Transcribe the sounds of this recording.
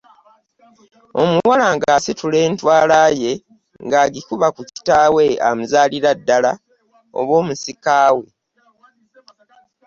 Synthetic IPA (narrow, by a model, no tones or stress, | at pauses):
o̞muwalaŋɡaːsitule̞ːntwaːlaːje̞ | ŋɡaːɡikuβakuci̥taːwe̞a̰muzaːliɾadːala | o̰βo̞ːmusikaːwe̞